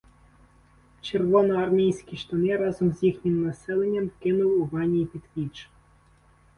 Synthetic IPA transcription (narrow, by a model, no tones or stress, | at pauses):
t͡ʃerʋɔnɔɐrmʲijsʲkʲiʃt̪ɔnɪɾɑzɔmzjixnʲɪmnɐsɛlˠenʲːɐmkɪnʊwuʋɑnʲijipʲid̪ʋʲit͡ʃ